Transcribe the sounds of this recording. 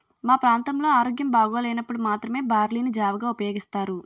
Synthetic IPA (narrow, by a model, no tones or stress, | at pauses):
maːpɾaːnt̪ɐmlo̞ːaːɾoːɡjɐmbaːɡuʋaːlɐjnɐpːuɽumaːt̪ɾɐme̞ːbaːɾliːnud͡ʒaːʋɐɡaːupɐjo̞ːɡist̪aːɾu